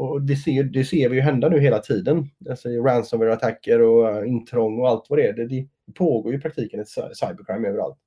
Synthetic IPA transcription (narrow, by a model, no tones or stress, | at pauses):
ɔd̪ɛseːjɵd̪ɛseːɾvɪjɵɦɛnd̪anʉ̟ːɦeːlat̪ʰiːd̪ənalsɔɪɾænsɔmvəɾat̪ʰakʰːəɾɔɪnt̪ʰɾɔŋːɔalt̪vad̪ɛɛɖɛd̪ɛd̥̪ɛpʰoːɡoːɾjɵpʰɾak̚t̪ʰiːkənɛt̪ssajbəɾkʰɾajmøːvəɾa̰lt̪